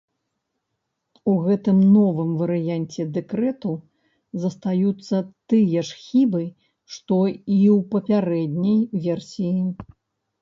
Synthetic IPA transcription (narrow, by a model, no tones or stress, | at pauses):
uɣɛt̪ɨmnɔvɨmvɐɾɨjanʲt͡sʲɛd̪ɛkɾɛt̪u | zɐst̪ajut̪sːɐt̪ɨjɐʂxʲibɨ | ʂt̪ɔiwpɐpʲaɾɛd̪ʲnʲɐjvʲɛrsʲiji